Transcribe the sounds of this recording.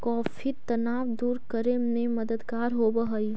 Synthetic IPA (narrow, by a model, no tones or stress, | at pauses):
kɔːfʰit̪ɐnaːʋd̪uːɾkəɾemẽmɐd̪əd̪kaːɾɦoːbɐɦəiː